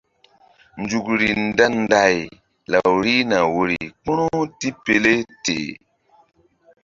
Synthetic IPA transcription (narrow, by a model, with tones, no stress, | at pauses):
nd͡ʒu˨kɾi˨nda˦n˦da˨j | la˨wɾi˦na˨wo˨ɾḭ˨k͡pu˦ɾu˦ti˦pe˨le˦tḛ˨